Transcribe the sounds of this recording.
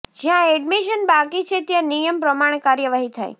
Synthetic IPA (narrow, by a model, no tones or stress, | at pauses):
d͡ʒjãɛɖmiʃənbakit͡ʃʰet̪jãnijəmpɾəmaɽ̃ekaɾjəʋaɦit̪ʰa̰j